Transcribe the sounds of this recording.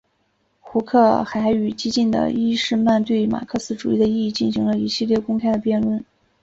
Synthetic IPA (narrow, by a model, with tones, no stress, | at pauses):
xu˧˥kʰɤ˥˩xa˧˥ɪy˨˩t͡ɕi˥t͡ɕi˥˩nd̪ə̰˩i˥ʂɻ̩˥˧ma˥˧nt̪we˥˩ɪma̰˨˩kʰɤ˥˧sɹ̩˥ʈ͡ʂu˨˩i˥˩d̪ə˩˧i˥˧i˥˧˩t͡ɕi˥˩nɕi˧˥ŋlə˧i˧˥ɕi˥˧ljɛ˥˩kʊ˥ŋkʰa˥ɪd̪ə˨pjɛ˥˧nlwə˥˩n